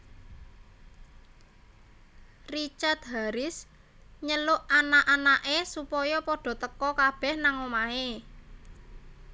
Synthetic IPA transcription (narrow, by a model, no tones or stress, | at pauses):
rit͡ʃart̪̚ɦaɾɪs | ɲəlʊʔanaʔanaʔesupɔjɔpɔɖ̥ɔ̤t̪əkɔkab̥ɛ̤hnaŋomae